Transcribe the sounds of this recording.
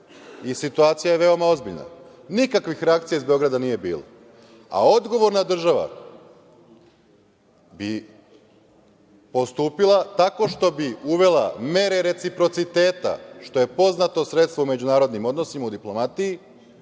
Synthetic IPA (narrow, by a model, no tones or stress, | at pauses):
isit̪uaːt̪sijaje̞ʋe̞o̞mao̞zbiʎna̰ | nikakʋixɾeak̚t̪sijaizbe̞o̞ɡɾad̪aniːje̞bḭːlˠa̰ | a̰o̞d̪ɡo̞ʋo̞ɾnad̪r̩ʒaʋa̰ | bi | po̞st̪uːpilˠat̪ako̞ʃt̪o̞biuʋe̞lame̞ɾe̞ɾe̞t̪sipɾo̞t̪sit̪e̞ːt̪a̰ʃt̪o̞je̞po̞znat̪o̞sɾet̪st̪ʋoume̞d͡ʑunaːɾo̞d̪nimo̞d̪no̞simaud̪iplˠo̞mat̪iji